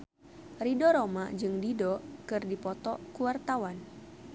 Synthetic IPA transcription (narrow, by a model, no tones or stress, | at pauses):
ridɔɾomad͡ʒɨŋdidɔkɨrdipɔt̪ɔkuwart̪awan